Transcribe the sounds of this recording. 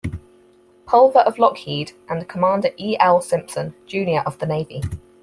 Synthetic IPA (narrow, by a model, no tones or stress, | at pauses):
pʰʌlˠvəɹʔəvlɒkhiːdʔə̃nðəkʰəmɑ̃ːˑndəʔiːʔɛlˠsɪ̃mpsə̃nd͡ʒʉːnjəɹʔəvðəneɪvḭ